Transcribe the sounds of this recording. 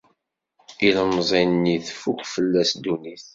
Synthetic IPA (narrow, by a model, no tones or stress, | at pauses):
iləmzˤinniθfukʷfəlːæsd̪uniθ